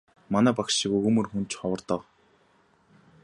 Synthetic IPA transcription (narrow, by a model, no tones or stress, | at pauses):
manæːpakʃĭkɵjɵmɵ̆rxunt͡ɕχɔwə̆rt̪ə̆q